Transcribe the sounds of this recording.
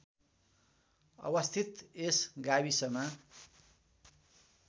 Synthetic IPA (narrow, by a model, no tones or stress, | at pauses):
ʌ̰bʌst̪ʰit̪esɡaβisʌma